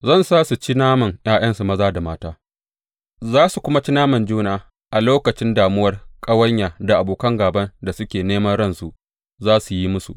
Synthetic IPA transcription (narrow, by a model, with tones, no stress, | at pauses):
zɐ˦˨nsaː˦su˨t͡ʃi˦naː˦mɐ˨ŋj̰aː˦j̰ɐ˦nsu˨mɐ˦zaː˦da˨maː˦taː˦ | zaː˦su˨kʷʊ˦ma˦t͡ʃi˦naː˦mɐ˨nd͡ʒuː˦naː˨ | ʔa˨loː˦kɐ˨t͡ʃɪ˦ndaː˨mʊ˦wɐ˦rkʼɐ˦wɐ˦ɲjaː˨da˨ʔa˨boː˨kɐ˦ŋɡaː˨bɐ˦nda˨sʊ˦kʲeː˨neː˦mɐ˦nɽɐ˦nsu˨ʔ | zaː˦su˨ji˦mʊ˦sṵ˨ʔ